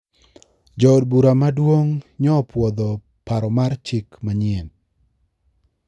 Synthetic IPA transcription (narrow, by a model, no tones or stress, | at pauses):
d͡ʒɔdbuɾamadwoŋɲɔpwɔd̪ɔ | paɾɔmart͡ʃɪkmaɲɪen